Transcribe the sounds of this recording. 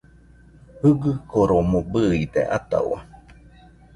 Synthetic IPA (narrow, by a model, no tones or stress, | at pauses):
hɯɡɨkoɾomobɨid̪ḛʔat̪a̰w̰a̰